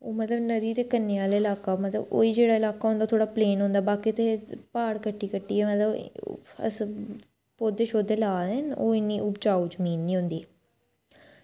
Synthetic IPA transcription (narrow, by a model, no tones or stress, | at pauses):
oːmət̪ləbnəd̪iːt̪eːkənːeːʋaːleːɪlaːkaːmət̪lə̰bo̰ːiːd͡ʒeːɽaːɪlaːkaːɦʊ̃nd̪aːt̪ʰoːɽaːpleːnɦõːnd̪aːbaːkit̪epaːɽkəʈːiːkəʈːiːɛːmət̪ləb̰ə̰s | poːd̪eːʃoːd̪eːlaːd̪eːno̰ːɪnːiːʔʊp̚t͡ʃaːuːd͡ʒəmiːnːĩːɦõʊ̃nd̪iːɛː